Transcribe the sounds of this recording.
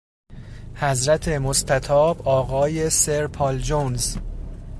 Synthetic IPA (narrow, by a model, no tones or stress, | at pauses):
hæzɾæt̪ʰe̞most̪ʰæt̪ʰɒːbɒːɣɒːje̞seɾpʰɒːld͡ʒonz